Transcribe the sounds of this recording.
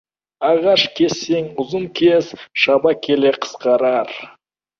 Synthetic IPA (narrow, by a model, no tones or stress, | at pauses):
ɑʁɑʃkʲʰe̞sːe̞ŋʊzənkʲʰe̞zʃɑbɑkʲʰe̞leqʰə̥sqɑɾɑɾ